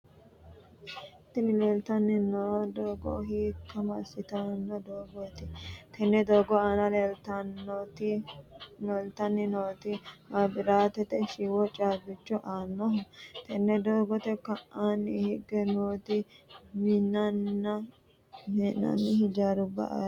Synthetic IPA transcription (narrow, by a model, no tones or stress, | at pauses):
t̪ːɪnɪleːlt̪ɐnːɪnoːd̪oːɡɔ̰ɦiːkːɐmɐsɪt̪ɐnːɔd̪oːɡɔt̪ɪt̪ʰɛnːɛd̪oːɡɔaːnɐleːlt̪ɐnːɔt̪ɪ | ɔlt̪ɐnːɪnoːt̪ɪmɐbɪɾaːt̪ɛt̪ɛʃiwɔt͡ʃʼaːbɪt͡ʃːɔʔaːnːɔɦʊt̪ɛnːɛd̪oːɡɔt̪ɛkɐʔʔanːɪhɪɡɛnoːt̪ɪmɪnɐnːɐ | mɛnːɐ̰nːɪhɪd͡ʒaːɾʊbɐ̰ʔa̰ː